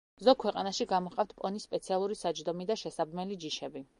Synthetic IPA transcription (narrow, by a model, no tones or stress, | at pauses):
zɔkʰwɛqʼanaʃiɡamɔqʼaft̪ʰpʼɔnisːpʼɛt̪sʰialˠuɾisad͡ʒd̪ɔmid̪aʃɛsabmɛlid͡ʒiʃɛbi